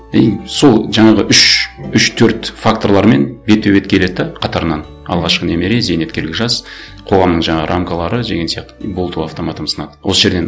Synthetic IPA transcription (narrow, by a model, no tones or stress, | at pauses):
ejso̞lˠʒɑɴɑʁəʔʏʃʏʃt̪ʰɵɾt̪fakt̪o̞rlˠɑɾme̞nbe̞t̪ʰːøbet̪̚kʲʰele̞d̪d̪ɑqʰɑt̪ɑɾənɑn | ɑ̰lˠʁɑʃqəne̞me̞ɾezene̞t̪̚kʲe̞ɾlʲɡʲɪkʒɑs | qʰo̞ʁɑmnəɴʒɑɴɑʁə̰ɾʔamkalˠɑɾəʒeɡʲensjɑqt̪əbolˠt̪uɑft̪o̞mat̪əmsə̥nɑd̪əwosəʒe̞ɾd̪e̞n